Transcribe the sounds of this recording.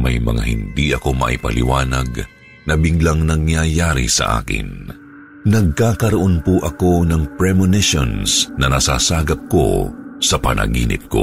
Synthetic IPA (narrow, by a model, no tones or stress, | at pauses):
mɐjmɐ̰ŋa̰hɪnd̪iʔɐko̞mɐ̰ʔɪpɐlɪ̰waːnɐɡ | nɐbiɡlɐŋnɐŋjajaːɾɪ̰sɐ̰ʔa̰ːkɪ̰n | nɐɡ̚kaːkɐɾɐʔo̞npuʔɐko̞nɐŋpɹɛmonɪʃonsnɐnɐsasaːɡɐp̚ko̞̰sɐpɐnɐ̰ɡḭːnʔɪ̰p̚ko̰